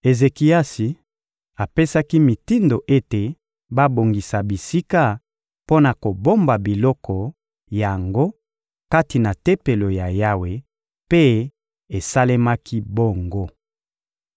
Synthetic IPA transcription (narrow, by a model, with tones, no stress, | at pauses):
e˨ze˨ki˨a˦si˨ | a˨pe˦sa˦ki˦mi˨ti˦ndo˨ʔe˦te˨ | ba˦bo˨ŋɡi˨sa˨bi˨si˦ka˦ | po˦na˨ko˨bo˦mba˨bi˨lɔ˦kɔ˨ | ja˨ŋɡo˦ | ka˦ti˨na˨te˦pe˨lo˨ja˨ja˦we˨ | pe˦ | e˨sa˦le˦ma˦kʰi˦bo˦ŋɡo˦